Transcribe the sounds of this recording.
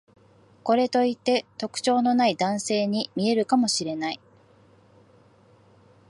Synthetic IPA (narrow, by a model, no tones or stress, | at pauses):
ko̞ɾe̞t̪o̞it̪ːe̞t̪o̞kɯ̟̥t͡ɕo̞ːno̞naid̪ãɰ̃se̞ːɲ̟imʲie̞ɾɯ̟kamo̞ɕiɾe̞nai